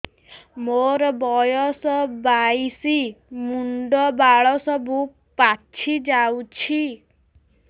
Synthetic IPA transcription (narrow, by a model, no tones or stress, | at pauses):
moɾɔbɔjɔsɔbajsimuɳɖɔbaɭɔsɔbu | pat͡ʃʰid͡ʒawt͡ʃʰi